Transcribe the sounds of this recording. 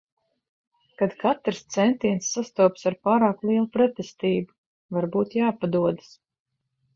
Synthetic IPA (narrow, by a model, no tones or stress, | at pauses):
kad̪kʰat̪ɾst̪sɛnt̪iɛnsːast̪uɔpsaɾpaːɾaːklˠiɛlˠupɾɛt̪est̪iːbu | vaɾbuːt̪jaːpad̪uɔd̪as